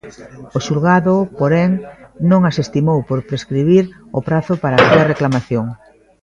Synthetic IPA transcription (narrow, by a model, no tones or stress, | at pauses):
ʊʃulɣaðʊpoɾeŋnõŋasest̪imowpoɾpɾeskɾiβiɾ | opɾaθʊpaɾaːsuɐreklamaθjoŋ